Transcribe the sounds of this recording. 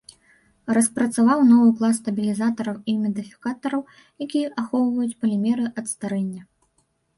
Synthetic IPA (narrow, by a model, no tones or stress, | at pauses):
rɐspɾɐt̪savawnɔvɨplˠasːt̪ɐbʲilʲizat̪ɐɾɐwimʲɛd̪ɨfʲi̥kat̪ɐɾɐw | jakʲijɐʔaxɔwvɐjut͡sʲpɐlʲɛmʲɛɾɨʔɐt̪st̪aɾɛnʲːɐ